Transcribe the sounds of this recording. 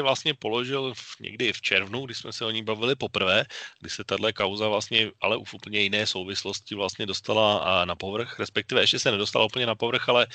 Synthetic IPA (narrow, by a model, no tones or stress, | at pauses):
ɛvlast̪ɲɛpo̞lo̞ʒɪlfɲɛ̰ɡdɪft͡ʃɛɾvnuɡdɪʃsmɛsɛo̞ɲiːbavɪlɪpopr̩vɛːɡ̥dɪsɛt̪adlɛkawzavlast̪ɲɛʔa̰lɛʔufupl̩ɲɛjɪnɛːso̞wvɪslo̞scɪvlast̪ɲɛdo̞st̪alanapo̞vr̩xɾɛspɛk̚t̪ɪvɛɛʃcɛsɛnɛdost̪a̰laup̩ɲɛnapo̞vr̩xʔalɛ